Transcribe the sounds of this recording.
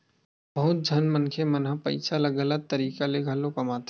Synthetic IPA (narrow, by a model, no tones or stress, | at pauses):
bɐɦʊt̪̚d͡ʒʱɐnmənkʰemɐnɦãpɐ̰ɪt͡ʃʰalɐɡələd̪̚t̪ɐɾiːkaleɡʱɐlõkɐmaːt̪